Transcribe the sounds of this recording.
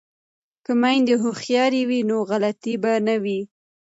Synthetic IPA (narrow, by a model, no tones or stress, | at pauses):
kəmajnd̪eɦʊxjɑɾiwinoɣalat̪ibanawi